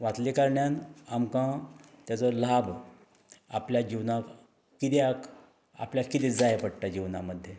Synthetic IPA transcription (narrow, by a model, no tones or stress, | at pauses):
ʋat̪likaɾɳjanamkãt̪jat͡sɔlab | apljad͡ʑiʋnak | kit̪eak | a̰pljakit̪id͡zajepəɽʈad͡ʑiʋna̰məd̪ʱːje